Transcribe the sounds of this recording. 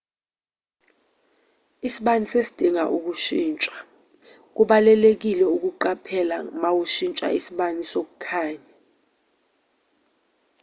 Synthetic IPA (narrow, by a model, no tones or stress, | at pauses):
isiɓanisesi̥d̥ʱiŋa̰ʔuk̬uʃiːnt͡ʃʼḁ | k̬uɓalɛlek̬ilɛuk̬uǃapʰɛla̰mawuʃint͡ʃʼa̰isiɓanisok̬ukʰaːɲa